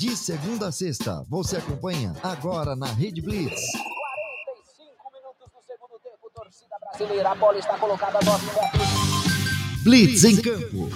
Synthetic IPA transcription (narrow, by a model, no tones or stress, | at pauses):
d͡ʒɪseɡũnd̪ɐsest̪ɐ̰voseakõmpɐ̃ɲɐ̰aɡɔɾɐnɐɦed͡ʒɪblit̪skwaɾẽt̪ejsĩkʊminut̪ʊzʊseɡũd̪ʊt̪ẽpʊt̪oɾsid̪ɐbɾazilejɾɐːbɔlɐɪst̪akolokad̪ɐnɔzũat̪ɾi | blitzẽj̃kɐ̃mpʊ̰